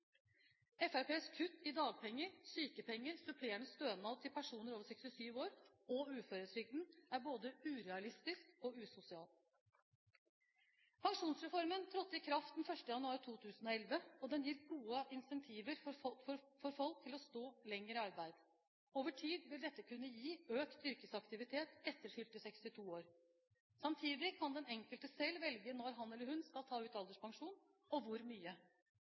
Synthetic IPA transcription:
ɛfæɾpeːskʰʉt̪ːɪd̪ɑːɡ̚pʰɛŋːəɾsyːkəpʰɛŋːəɾsʉpʰleːɳəst̪øːnɑʋt̪ʰɪlpʰæʂuːnəɾoːʋəʂɛkst̪ɪsyːʋoːɾ | ɔʉːføːɾət̪ʰɾʏɡ̚d̪n̩æɾboːd̪əʉːɾɛɑlɪst̪ɪskɔʉːsʊsɪɑːl | pʰɑŋʂuːnsɾɛfɔɾmənt̪ʰɾɔt̪ːɪkʰɾɑft̪d̪n̩fœʂʈəjɑnʉɑːɾɪt̪ʰuːt̪ʰʉːsn̩ɔɛlʋəɔd̪ɛnjiːɾɡuːəʔɪnsɛnt̪ʰiːʋəɾfɔffɔɾfɔlk̚t̪ʰɪlɔst̪oːlɛŋːəɾəɑɾbæɪd̪ | oːʋəʈʰiːd̪ʋɪld̪ɛt̪ːəkʰʉnːəjiːøːkt̪ʏɾkəsɑkt̪ɪʋɪt̪ʰeːt̪ɛt̪ːəɾfʏlt̪əsɛkst̪ɪt̪ʰuːoːɾ | sɑmt̪ʰiːd̪ɪkʰɑnd̪ɛnɛŋkəlt̪əsɛlʋɛlɡənɔɾɦɑnɛlːəɾhʉnskɑlt̪ʰɑːʉːt̪ɑld̪əʂpʰɑŋʂuːn | ɔʋʊɾmyːə

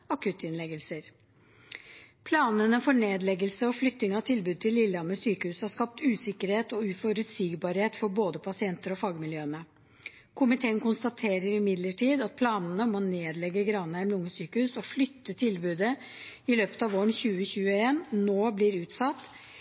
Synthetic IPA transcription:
ɑkʰʉt̪ɪnlɛɡəlsəɾ | pʰlɑːnənəfɔɳeːd̪lɛɡəlsəɔflʏt̪ːɪŋɑt̪ʰɪlbʉːd̪̚t̪ʰɪlːɪlːɑməsyːkəhʉːshɑʂkɑp̚t̪ʉːsɪkəɾheːt̪ɔʉfɔɾʉt̪siːɡbɑɾheːt̪fɔɾboːd̪əpʰɑsɪɛnt̪əɾɔfɑːɡmɪljøːənə | kʰʊmɪt̪ʰeːənkʊnst̪ɑt̪ʰeːɾəɾɪmɪd̪ləʈʰiːd̪ɑt̪̚pʰlɑːnənəmɔneːd̪lɛɡːəɡɾɑnəmlʊŋəsyːkəhʉːsɔflʏt̪ːət̪ʰɪlbʉːd̪ə | ɪløːpə̥t̪ɑʋoːəɳçʉːəçʉːəeːnnoːblɪɾʉːt̪sɑt̪ː

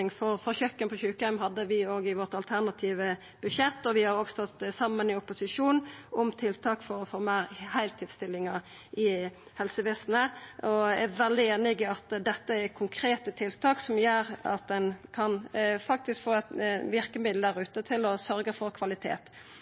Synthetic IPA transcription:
ɪŋfɔɾfɔçœkːənpʰɔçʉːkhæmɦɑd̪ːəʋɪoːɡɪʋɔʁt̪ɑlt̪ʰæʁnɑt̪ʰiːʋə | b̥ʉʃɛt̪ːɔʋɪhɑɾoːɡst̪ɔt̪ːsɑmːənɪʊpʊsɪʂuːnʊmt̪ʰɪlt̪ʰɑːkfɔɾɔfɔʁmæɪʁhæɪlt̪ʰɪlst̪ɪlːɪŋɑ | ɪhɛlsəʋeːsnəʔɔæʋɛld̪ɪeːnɪɡəɑt̪d̪ɛt̪ːəɛkʰʊŋkʰɾeːt̪ət̪ʰɪlt̪ʰɑːksɔmjøːɾɑ̰t̪̚d̪ɛnkʰɑnfɑk̚t̪ɪskfoːɛt̪ʋɪʁkəmɪd̪l̩d̪æʁʉːt̪ət̪ʰɪlɔsœɾɡəfɔʁkʰʋɑlɪt̪ʰḛːt̪

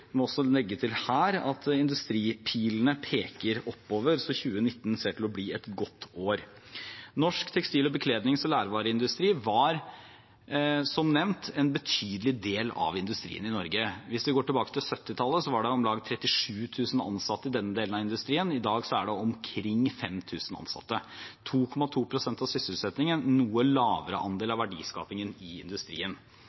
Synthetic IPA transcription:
mɔɔsːɔlɛɡːət̪ʰɪlhæːɾɑ̰t̪ʰɪnd̪ʉst̪ɾiːpʰiːlnəpʰeːkəɾɔpːoːʋəɾsɔçʉːənɪt̪ːnseːʈɪlɔbliːɛt̪ɡɔt̪ːoːɾ | nɔʂkt̪ʰɛkst̪iːlɔbəkʰleːd̪nɪŋsɔlæːɾʋɑːɾəɪnd̪ʉst̪ɾiːʋɑɾ | sɔmnɛʋnt̪ʰɛnbət̪ʰyːd̪lɪd̪eːlɑ̰ʋɪnd̪ʉst̪ɾḭːənɪnɔɾɡəʋɪsd̪ɛɡoːʈɪlbɑːkə̥t̪ʰɪlsœt̪ːɪt̪ʰɑlːəsɔʋɑɖɛɔmlɑːɡt̪ʰɾɛt̪ːɪʂʉːt̪ʰʉːsən̩ɑ̰nsɑt̪ːəɪd̪ɛnːəd̪eːlnɑɪnd̪ʉst̪ɾiːənɪd̪ɑːɡsɔæɖɛɔmkʰɾɪŋːfɛmt̪ʰʉːsənɑ̰nsɑ̰t̪ːət̪ʰuːkʰɔmɑt̪ʰuːpʰɾʊsɛnt̪ɑʋsʏsəl̩t̪sɛt̪nɪŋənnuːəlɑːʋəɾə̰ʔɑ̰nd̪eːlɑʋæɖḭːskɑ̰ːpɪŋənɪɪ̰nd̪ʉst̪ɾḭːən

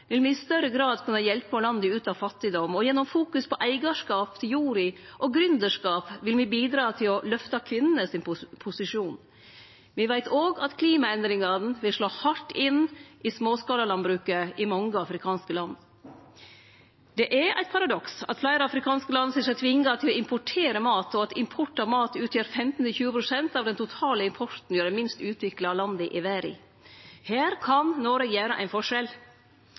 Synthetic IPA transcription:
ʋɪlʋɪɪst̪œɾəɡɾɑːd̪kʰʉnːəjɛlpəɔlɑnd̪əʉːt̪ɑʋfɑt̪ːɪd̪ɔmɔjɛnːɔmfuːkʉspʰɔʔæɪɡɑʂkɑːpt̪ʰɪljuːɾɪʔɔɡɾʉnd̪əʂkɑːpʋɪlʋɪbiːd̪ɾɑːt̪ʰɪlɔlœft̪ɑkʰʋɪnːənəsɪnpʰʊsɪʂuːn | ʋɪʋæɪt̪ʰoːɡɑt̪kʰliːmɑɛnd̪ɾɪŋɑn̩ʋɪlʂɭoːhɑʈːɪnʔɪsmoːskɑːləlɑnbɾʉːkəʔɪmɑŋːəɑfɾɪkʰɑːnskəlɑnd̪ | d̪̥ɛʔæɾʔæ̰ɪt̪̚pʰɑɾɑd̪ɔksɑ̰t̪flæɪɾəɑfɾɪkʰɑːnskəlɑnsiːsɛt̪ʰʋɪŋːət̪ʰɪlɔɪmpɔʈʰeːɾəmɑːt̪ʰɔɑt̪ɪmpʰɔʈɑmɑːt̪ʉːt̪ʰjøːɾfɛmt̪n̩ɪlçʉːəpɾʊsɛnt̪ɑːʋd̪ɛnt̪ʰʊt̪ʰɑːləɪmpʰɔɾt̪n̩jøːɾəmɪnst̪ʉːt̪ʰʋɪklɑlɑnd̪əɪʔɪʋæːɾɪ̰ | hæːɾkʰɑnnoːɾəɡjæːɾəʔæ̰ɪnfɔʂɛl

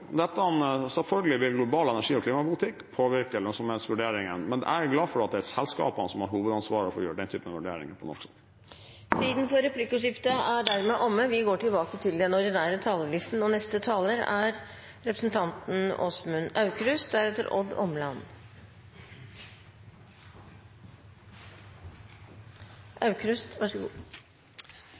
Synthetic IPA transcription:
d̪ɛt̪ːəɑnsɛlfœlɡəlɪʋɪlɡlʊbɑːlɛnæʂiːɔkʰliːmɑpʊlɪt̪ʰɪkːpʰoːʋɪɾkəlœsɔmheːnsʋʉɖeːɾɪŋənmɛnd̪̰æɾɡlɑːfɔɖɛɑt̪d̪ɛsɛlskɑ̰ːpənəsɔmhɑɾhuːʋəd̪ɑnsʋɑːɾɔfɔɾjøːɾəɖɛnt̪ʰyːpənɑʋʉɖḛːɾɪ̰ŋəpʰɔnɔ̰ʂksɑ | siːd̪n̩fɔɾɛpʰlɪkːʊʂɪft̪əæɖæɾmɛʔɔmːəʋɪɡoːʈɪlbɑːkət̪ʰɪld̪ɛnɔɖɪnæːɾət̪ʰɑːləlɪst̪n̩ɔnɛst̪ət̪ʰɑːləɾæ̰ɾ | ɾɛpɾəsn̩t̪ʰɑnt̪n̩ɔ̰smʉnɑʉkɾʉst̪̚d̪æɾheːt̪əɾʔɔ̰d̪ɔ̰mlɑn | ʔɑʉkʰɾʉst̪ʋɑʂəɡ

